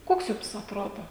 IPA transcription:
ˈkoːks ˈjʊms ɐtˈroːdoː

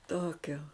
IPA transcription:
ˈtoːkʲoː

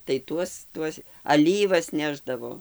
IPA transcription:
tɐɪ ˈtuɔs ˈtuɔs ɐˈlʲiːʋɐs ˈnʲæːʒdɐʋoː

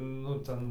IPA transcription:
nʊ ˈtʲɛn

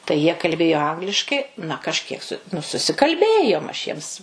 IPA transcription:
tɐɪ jiɛ kɐlʲˈbʲeːjoː ˈɐŋɡlʲɪʃkɐɪ nɐ kɐʃʲˈkʲiɛk sʊ nʊ sʊsʲɪkɐlʲˈbʲeːjoːm ɐʃ ˈjiɛms

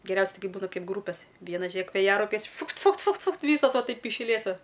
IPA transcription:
ɡʲɛˈrʲɛʊsʲɛ ˈtɐɪ ˈkɐɪ ˈbuːnɐ ˈkɐɪp ˈɡruːpʲɛs ˈʋʲiɛnɐ ˈʒʲeːk ʋʲeːˈjæːrɐʊpʲɛɪs ˈfʊkt ˈfʊkt ˈfʊkt ˈfʊkt ˈʋʲiːsoːs ˈʋɐ ˈtɐɪp ɪʃ ˈlʲeːtoː

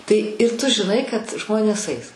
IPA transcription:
tɐɪ ɪr tʊ ʒʲɪˈnɐɪ kɐt ˈʒmoːnʲeːs ɐɪs

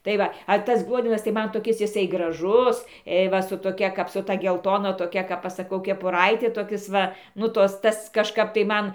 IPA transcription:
tɐɪ ˈʋɐ ɐ ˈtɐs ˈɡlˠuɔdʲɛnɐs tɐɪ ˈmɐn toːˈkʲɪs jɪˈsɐɪ ɡrɐˈʒʊs eː ˈʋɐ sʊ toːˈkʲɛ ˈkɐp sʊ ˈtɐ ɡʲɛlˠˈtoːnɐ toːˈkʲɛ kɐp ˈɐʃ sɐˈkɐʊ kʲɛpʊˈrɐɪtʲɪ toːˈkʲɪs ˈʋɐ ˈnʊ ˈtoːs ˈtɐs kɐʃˈkɐp tɐɪ ˈmɐn

